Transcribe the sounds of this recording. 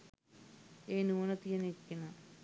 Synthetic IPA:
eːnuʋonət̪ijənikːenə

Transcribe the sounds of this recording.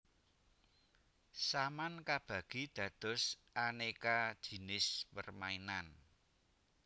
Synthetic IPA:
samankab̥ä̤ɡ̥id̪̥ä̤d̪̥ɔ̤sʔanekad̥ʒ̥i̤nɪspərmainan

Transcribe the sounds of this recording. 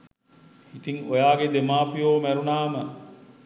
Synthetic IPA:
it̪iŋojaːɡed̪emaːpijoːmæɾunaːmə

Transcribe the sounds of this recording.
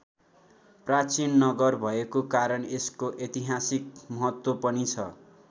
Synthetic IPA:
prat͡sinːʌɡʌrbʱʌekokaɾʌneskoʔet̪iɦasik̚mʌɦʌt̪wopʌnit͡sʰʌ

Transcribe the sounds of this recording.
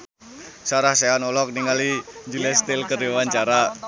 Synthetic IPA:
saɾahseanɔlɔk̚niŋaliɲd͡ʒulɛst̪ɪlkəriwaɲt͡ʃaɾa

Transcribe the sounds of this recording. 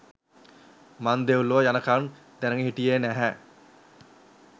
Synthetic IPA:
mand̪euluʋəjanəkan | d̪̥ænəŋeɦiʈijeːnæɦæ

